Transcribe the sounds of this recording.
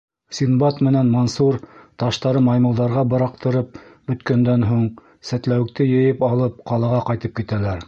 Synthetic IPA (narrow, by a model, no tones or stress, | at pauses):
sʲinbɑt̪mɘ̆nænmonsuɾt̪ɑʃt̪ɑɾɤmɑjmɤ̆lˠd̪ɑɾʁɑbɤ̆ɾɑqt̪ɤ̆ɾɤp̚bɵ̆t̪kænd̪ænɦuɴ | sæt̪læwɘ̆k̚t̪ɘjɤ̆jɤpɑlˠɤp̚qɑlˠɑʁɑqɑjt̪ɤp̚kit̪ælæɾ